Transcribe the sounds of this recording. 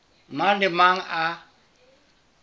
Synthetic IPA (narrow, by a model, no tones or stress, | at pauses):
malɪmaŋa